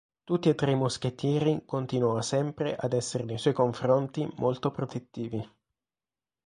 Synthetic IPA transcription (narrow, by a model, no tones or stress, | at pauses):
t̪ut̪ːiet̪ːɾeimosk̟et̪ːjɛːɾikont̪inwɔːasɛmpɾeʔad̪ɛsːeɾenejswɔjkoɱfɾont̪imolt̪opɾot̪et̪ːiːvi